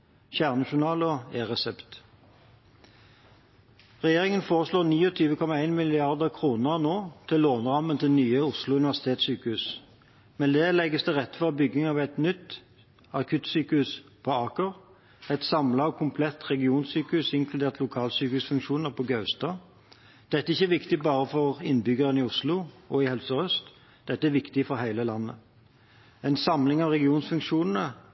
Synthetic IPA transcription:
çæːʁnɑʃʊnɑːlɔeːʁɛsɛpt̪ | ʁɛjeːʁɪŋənfoːʁəsloːʁniːɔt̪ʰyːʋəkʰɔmɑæɪnmɪlɪɑʁd̪əʁkʰʁuːnəʁnoːt̪ʰɪlːoːnʁɑmənt̪ʰɪlnyːəʊslʊʉnɪʋæʁsɪ̥t̪ʰeːt̪syːkəʉs | mɛnd̪eːlɛɡːəsd̪ɛʁɛt̪ːfɔʁbʏɡɪŋɑʋæɪt̪nʏt̪ː | ɑkʰʉt̪syːkəhʉspʰɔɑːkəʁ | ɛt̪sɑmlɑɔkʰʊmpʰlɛt̪ːʁɛɡɪuːnsyːkəʉsɪŋkʰlʉd̪eːʁt̪ʰlʊkʰɑːlsyːkəʉːsfʉŋkʃuːnəʁpʰɔɡɑʉst̪ɑː | d̪̥ɛt̪ːəɪçːəæʋɪkt̪ɪbɑːʁəfɔʁɪnːbʏɡəʁənɪʊslʊɔɪhɛlsəɾœst̪ | d̪̥ɛt̪ːəæɾʋɪkt̪ɪfɔɾhæɪləlɑnːə̰ | ɛɪnsɑmlɪŋɑʋʁɛɡɪuːnsfʉŋkʃuːnn̩ə

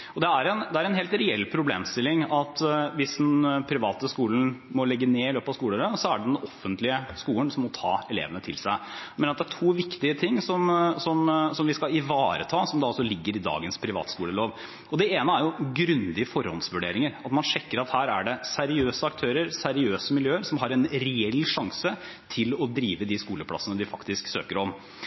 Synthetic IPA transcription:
ɔd̪ɛæɾɛnd̪ɛæɾɛnɦeːlt̪ɾɛɛlːpʰɾʊbleːmst̪ɪlːɪŋɑt̪ʋɪsd̪ɛnpʰɾɪʋɑːt̪əskuːln̩mɔlɛɡːəneːɪløːpɑskuːləɾəsɔæɖɛd̪ɛnɔfːənt̪lɪəskuːlənsɔmːɔt̪ʰɑ̰ːɛlḛːʋənət̪ʰɪ̰lsæɪmenəɾɑt̪d̪æʈʰuːʋɪkt̪ɪət̪ʰɪŋːsɔmsɔmsɔmʋɪskɑlɪʋɑːɾə̰t̪ʰɑːsɔmd̪ɑɔsɔlɪɡːəɾɪd̪ɑ̰ːɡənspʰɾɪʋɑ̰ːt̪skuːləloːʋ | ɔd̪ɛeːnəæɾjʊɡɾʉnd̪ɪəfɔɾhɔ̰ld̪sʋʉɖeːɾɪŋəɾɑt̪mɑnʂɛkːəɾɑt̪hæːɾæɖɛsæɾɪøːsəɑk̚t̪ʰøːɾəɾsæɾɪøːsəmɪljøːəɾsɔmɦɑɾɛnɾɛɛlːʂɑŋsə | t̪ʰɪlɔd̪ɾiːʋəd̪ɪskuːləpʰlɑ̰sənəd̪ɪfɑkt̪ɪsksø̰ːkəɾɔm

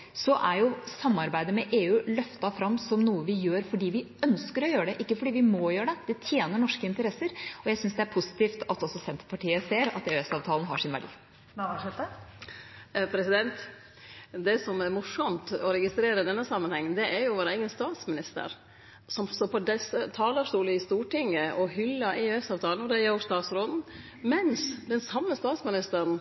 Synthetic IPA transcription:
sɔʔæɾjʊsɑmːɑɾbæɪd̪əmɛʔeːʉːlœft̪ɑfɾɑmːsɔmnuːəʋɪjøːɾfɔɖiːʋɪ | œnskəɾɔjøːəɖɛʔɪkːəfɔɖiːʋɪmɔjøːɾəɖɛd̪̥ɛt̪ʰjeːnəɳɔʂkəɪnt̪əɾɛsːəɾɔjæɪsʏnsd̪ɛæɾpʰʊsɪ̥t̪iːft̪ɑt̪ɔsɔsɛnt̪ə̥pʰɑʈiːəseːɾɑ̰t̪eːʉɛsɑːʋt̪ʰɑːln̩ɦɑ̰ʂɪnʋæɖḭː | ɛt̪ | pʰɾɛsɪd̪ɛnt̪ | d̪ɛsɔmɛɾmʊʂɔmt̪ɔɾɛɡɪst̪ɾeːɾəɪd̪ɛnːəsɑmːənhɛŋːnd̪ɛʔæɾjʊʋoːɾəæɪɡənst̪ɑːt̪smɪnɪst̪ə̰ɾ | sɔmst̪oːpʰɔd̪ɛsət̪ʰɑːld̪əʂt̪uːləɪst̪uːʈɪŋːəʔɔhʏlːəʔɛøɛsɑːʋt̪ʰɑːln̩ɔd̪ɛæɾjʊst̪ɑːt̪sɾoːd̪n̩ | mɛnsd̪ɛnsɑmːəst̪ɑːt̪smɪnɪst̪əɾɳ

